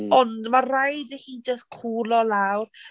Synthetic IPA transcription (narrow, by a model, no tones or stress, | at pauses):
ɔndmarajdəχiːd͡ʒəskʰuːlɔlawr